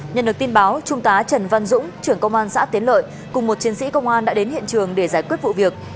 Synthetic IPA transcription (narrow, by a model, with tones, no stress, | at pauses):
ɲə̰˨nɗɨ˨˩ək̚t̪i˧nɓaː˨˦wt͡ɕʊ˧ŋ͡mt̪aː˨˦t͡ɕə˨˩nva˧nzʊ̰˧˥ŋ͡mt͡ɕɨ˧˩əŋkə˧wŋ͡mʔaː˧nsa̰ː˧˥t̪i˨˦ənlə̰ː˧˨j | kʊ˨˩ŋ͡mmo˨˩t̚t͡ɕi˨˦ənsḭ˧˥kə˧wŋ͡mʔaː˧nɗa̰ː˧˥ɗe˨˦nhḭ˧˨ənt͡ɕɨ˨˩əŋɗe˧˩zaː˧˩jkwi˦˥t̚vṵ˧˨vi˨˩ək̚